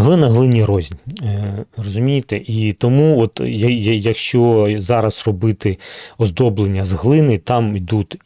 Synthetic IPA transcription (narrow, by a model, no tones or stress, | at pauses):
ɦlˠɪnɐɦlˠɪnʲirɔzʲnʲ | rɔzʊmʲijɪt̪ɪʔit̪ɔmuɔt̪jɐjɐjɐkʃt͡ʃɔzɑɾɐsrɔbɪt̪ɪɔzd̪ɔblˠenʲːɐzɦlˠɪnɪt̪ɑmid̪ut̪ʲ